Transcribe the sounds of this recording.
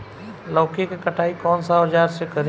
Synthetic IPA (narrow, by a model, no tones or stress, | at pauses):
lɔːkekekəʈʰaːikɔːnsaɦəd͡ʒaːɾsekəɾ